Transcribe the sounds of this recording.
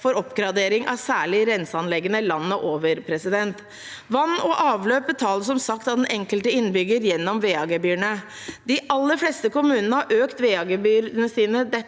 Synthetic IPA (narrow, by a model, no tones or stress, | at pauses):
fɔɾɔpːɡɾɑd̪eːɾɪŋʔɑ̰ʋsæːɭɪɾɛnsəɑnlɛɡənəlɑnːəʔoːʋəɾpʰɾɛsɪd̪ɛnt̪ | ʋɑnːɔʔɑːʋløːpət̪ʰɑːləs̬ɔmsɑkt̪ɑd̪ɛnʔɛŋkəlt̪əɪnːbʏɡəɾjɛnːɔmʋeːɑɡəbyːɳə | d̪ɪʔɑlːəɾflɛst̪əkʊmʉːnənəhɑʔøːkt̪ʋeːɑɡebyːɾnəsiːnəd̪ɛ